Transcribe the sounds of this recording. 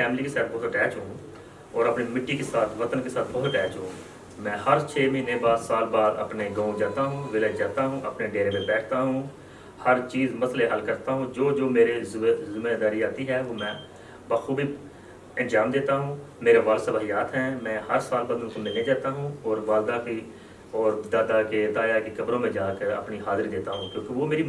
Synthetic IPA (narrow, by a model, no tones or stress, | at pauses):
fɛːmlikesaːt̪̚ʰbɔɦt̪əʈɛːt͡ʃɦũː | ɔːɾɐpnemɪʈːikesaːt̪ʰʋət̪ənkesaːt̪ʰbɐɦʊt̪ʈɛːt͡ʃɦũː | mɛ̃ːhəɾt͡ʃʰeːmɪɪnẽbaːd̪saːlbaːd̪ə̰pneɡãːũd͡ʒaːt̪aɦũːʋɪləd͡ʒaːt̪aɦũʔɐpneɖeːɾemẽbɛːʈ̚ʰt̪aɦũː | həɾt͡ʃiːzmɐsleʔəlkəɾt̪aɦũːd͡ʒoːd͡ʒoːmeːɾezɪmeːd̪aːɾiaːt̪iɦɛʋoːmɛ̃ː | bəxubʱi | ə̃nd͡ʒaːmd̪eːt̪aɦũː | meːɾaʋaːlsəbaːɦijaːt̪ɦɛːmɛ̃ːhəɾsaːlbaːd̪ʊnkomɪlːed͡ʒaːt̪aɦũɔːɾʋaːld̪aki | ɔːɾd̪aːd̪aked̪aːjakekɐbɾõmẽd͡ʒaːkəɾə̰pniɦaːzəɾd̪eːt̪aɦũːkjõːkeʋomeːɾi